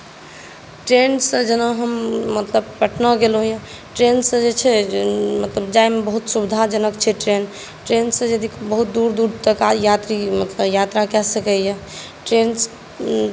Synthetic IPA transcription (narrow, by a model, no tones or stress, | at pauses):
ʈɾensə̃d͡ʒənəɦəmːət̪ləbpəʈʰnəɡelɦũjẽ | ʈɾensə̃d͡ʒet͡ʃʰɛmət̪ləbd͡ʒaemebəɦut̪subid̪ʱad͡ʒənəkt͡ʃʰɛʈɾen | ʈɾensə̃jəd̪ʱikbəɦut̪̚d̪uɾd̪uɾt̪əkajat̪ɾimət̪ləbjat̪ɾakɛsəkəjɛ | ʈɾens